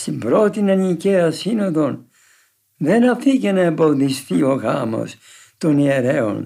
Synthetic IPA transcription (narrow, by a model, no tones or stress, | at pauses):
st̪imbɾo̞t̪inɐniceɐsino̞ðo̞n | ðe̞nɐθicenɐembo̞ðisθio̞ɣɐmo̰s | t̪o̞nieɾe̞o̰n